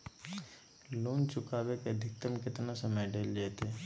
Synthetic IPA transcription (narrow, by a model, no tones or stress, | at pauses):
loːnt͡ʃʊkaːbeked̪ʱɪk̚t̪əmkɪt̪nasəməjɖeːld͡ʒɛːt̪eː